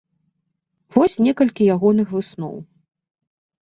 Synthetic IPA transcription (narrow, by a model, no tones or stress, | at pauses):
vɔsʲnʲɛkɐlʲkʲijaɣɔn̪ɨxvɨsnɔ̰w